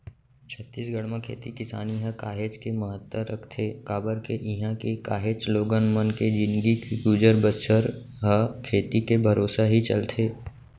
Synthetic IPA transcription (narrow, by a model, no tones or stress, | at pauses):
t͡ʃʰət̪ːiːsɡəɽmãkʰḛːt̪ikɪsa̰ːniɦə̃kaːɦeːt͡ʃkeməɦət̪ːəɾɐkʰt̪ʰeːkaːbəɾkeʔɪɦãkekaːɦeːt͡ʃloːɡənmənked͡ʒɪ̃nɡikuːd͡ʒəɾbəʃəɾ | ɦəkʰeːt̪ikebʱɐɾoːsaɦit͡ʃɐ̰lt̪ʰeː